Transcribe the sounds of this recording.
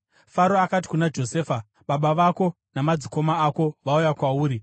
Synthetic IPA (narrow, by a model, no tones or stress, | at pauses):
faɾoakat̬i̥kunad͡ʒo̞seːfa | ɓaɓaʋako̞ | namad͡ziko̞maːko̞ʋaujakwauːɾi